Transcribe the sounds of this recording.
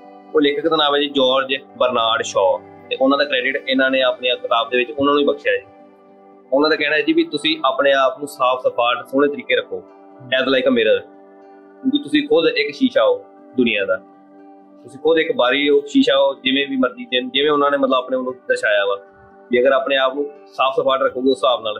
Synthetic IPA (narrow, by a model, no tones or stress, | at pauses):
oːlɪkʰəkt̪ənaːʋẽːd͡ʒːd͡ʒɔːɾd͡ʒbəɾnaːɽʃɔːt̪eːʔʊnãːd̪aːkɾɛːɖɪʈɪnãːneːaːpneaːkɪt̪aːb̚d̪eːʋɪt͡ʃʊnãːnũːibəkʃjaːd͡ʒi | ʊnãːd̪aːkɛːɽ̃aːɛd͡ʒiːbiːt̪ʊsĩːʔaːpneːaːpnũːsaːpʰsəpaːɾʈsʊːɽ̃eːt̪əɾiːkeːɾəkʰːoː | ɛːd̪laːikəmeːɾaː | kjũːkiːt̪ʊsĩːkʰʊd̪ɪkʃiːʃaːoː | d̪ʊnɪjãːd̪aː | t̪ʊsĩːkʰʊd̪ɪkbaːɾiːoːʃiːʃaːoːd͡ʒɪʋẽːbiːməɾd̪iːd͡ʒend͡ʒɪʋẽːʊnãːneːmət̪ləbaːpneːonũːd̪əɾʃaːjaːɡaː | kiːəɡəɾaːpneːaːpnũː | saːpʰsəpaːʈɾəkʰːoːɡiosaːpnaːl